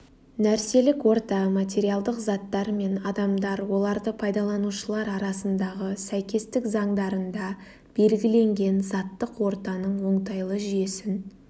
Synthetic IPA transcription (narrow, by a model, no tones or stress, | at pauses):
næɾse̞lɪkwo̞ɾt̪ɑmat̪ʲe̞ɾijalˠd̪əqzɑt̪ːɑɾme̞nɑd̪ɑmd̪ɑɾwo̞lˠɑɾd̪əpʰɑjd̪ɑlˠɑnuʃəlˠɑɾɑɾɑsənd̪ɑʁəsæjkʲe̞st̪ɪkzɑɴd̪ɑɾənd̪ɑ | b̥e̞lɡʲɪle̞ŋɡʲe̞nzɑt̪ːəqwo̞ɾt̪ɑnəɴwo̞ɴt̪ɑjlˠəʒije̞sɪn